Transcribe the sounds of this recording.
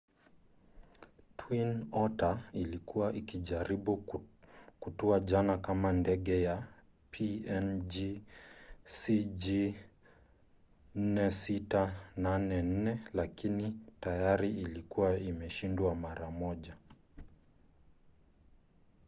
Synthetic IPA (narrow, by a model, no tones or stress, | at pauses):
tʰwinɔtailikuaʔikiʄaɾiɓu | kutɔaʄanakamandɛɠɛja | pʰiɛnd͡ʒi | sid͡ʒi | n̩nɛsitananɛn̩nɛlakinitajaɾiilikuwaimɛʃindwamaɾamɔʄa